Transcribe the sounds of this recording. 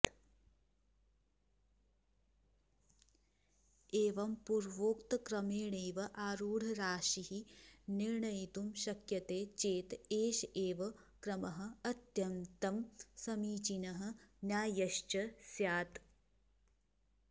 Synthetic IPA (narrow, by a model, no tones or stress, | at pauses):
eːʋɐmpuɾʋoːkt̪kɾɐmeːɳeːʋɐʔaːɾuːɽʱɐɾaːʃiɦiniɾɳɐjit̪umʃɐkjɐt̪eːt͡ʃeːt̪eːʃeːʋɐkɾɐmɐɦɐ̆ɐt̪jɐmt̪ɐmsɐmiːt͡ʃinɐɦɐ̆nʲjaːjɐʃt͡ʃɐsjaːt̪